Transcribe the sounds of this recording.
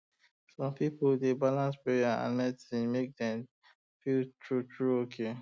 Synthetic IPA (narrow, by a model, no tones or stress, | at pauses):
sɔ̃mpipoldebalãnspɹejaã̰nmɛtĩmek̚dɛ̃m | filtʰɹutʰɹuokʰe